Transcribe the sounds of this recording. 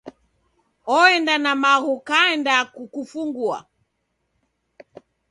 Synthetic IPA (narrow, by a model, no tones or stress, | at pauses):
ɔɛndanamaɣukaɛndakukufuŋɡua̰